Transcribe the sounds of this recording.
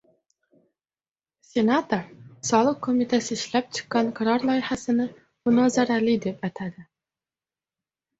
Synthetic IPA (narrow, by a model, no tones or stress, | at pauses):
sʲe̞nat̪oɾsɒlˠɨqʰːomit̪ʰasɪɪʃlap̚t͡ʃʰɨ̥qːɑnqʰaɾɑɾlˠɒjɪhasɪnɪ | mʊnɒzaɾalɪd̪epæt̪ʰad̪ɪ